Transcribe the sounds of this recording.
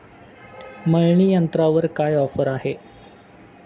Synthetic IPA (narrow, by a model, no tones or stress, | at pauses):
məɭɳiːjənt̪ɾaʋəɾkajɔfəɾaɦe